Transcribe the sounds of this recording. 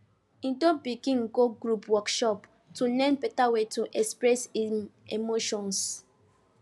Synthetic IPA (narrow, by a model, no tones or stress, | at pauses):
itobikĩŋ̩koɡɾupwɔkʃɔp | tulɛ̃npetawetuʔɛkspɾɛsimemoʃɔ̃ns